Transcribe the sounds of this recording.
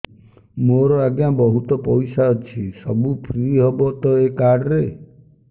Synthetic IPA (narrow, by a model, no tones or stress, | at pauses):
moɾɔaɡjabɔɦut̪ɔpɔjsaɔt͡ʃʰisɔbupʰɾiɦɔbɔt̪ɔekaɖɔɾe